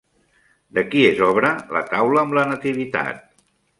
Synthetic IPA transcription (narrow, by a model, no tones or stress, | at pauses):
d̪əkiezɔβɾələ̰t̪awləːmlənət̪iβ̞it̪a̰t̪̚